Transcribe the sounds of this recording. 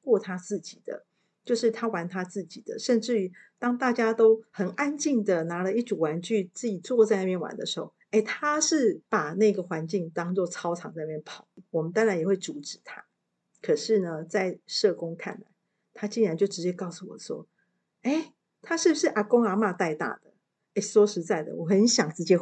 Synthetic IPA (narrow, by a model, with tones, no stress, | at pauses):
kwɔ˥˩t̪ʰa˥t͡sɹ̩˥˩t͡ɕi˨˩d̪̥ə̰˦ | t͡ɕjo˥˧ʊʂɻ̩˥˩t̪ʰa˥wa˧˥nt̪ʰa˥t͡sɹ̩˥˩t͡ɕi˨˩d̪ə̰˦ʂə˥˧nʈ͡ʂɻ̩˥˩t̪ɑ˥ŋt̪a˥˩t͡ɕja˥t̪o˥ʊhə˨˩na˦˥nt͡ɕi˥˩ŋd̪ə˩na˧˥lə˧i˥˩ʈ͡ʂu˨˩wa˨˧˥nt͡ɕʰy˥˧t͡sɹ̩˥˩t͡ɕi˨˩t͡swɔ˥˧t͡sa˥˧ɪna˥˩pjɛ˥˨nwa̰˧˦nd̪ə˨˧ʂɻ̩˧˦˥xo˥˩e˥˩ɪt̪ʰa˦ʂɻ̩˥˩pa˨˩na˥˩˧ɡə˨xwa˧˦nt͡ɕi˥˩ŋt̪ɑ˥ŋt͡swɔ˥˩t͡sʰɑ˥ʊʈ͡ʂʰɑ˨˦ŋt͡sa˧na˧˥jnpʰɑ˨˩˦ʊ˦wɔ˨˩mə˦nt̪a˥nɻa˧˥njxwe˥˩ɪʈ͡ʂu˧˥ʈ͡ʂɻ̩˨˩˦t̪ʰa˥˦ | kʰə˨˩ʂɻ̩˥˩nə˩t͡sa˥˧ɪʂɤ˥˨kʊ˥ŋkʰa̰˥˩nla˧˦ɪ | t̪ʰa˥t͡ɕi˥˩nɻa˧˦nt͡ɕjo˥˩ʊʈ͡ʂɻ̩˧˥t͡ɕje˥kɑ˥˩ʊsu˥˩wɔ̰˨˩swɔ̰˥ | e˥˩ɪ | t̪ʰa˥ʂɻ̩˥˩bu˧˩ʂɻ̩˥˩ʔa˧˥ko˥ŋa˧˥ma˥˧t̪a˥˧ɪt̪a̰˥˩d̪ə˩ | e˥˩swɔ˥ʂɻ̩˧˥t͡sa˥˩ɪd̪ə̰˩wɔ˨˩xə˧˦nɕjɑ˨˩ŋt͡sɻ̩˧˩t͡ɕjɛ˧˥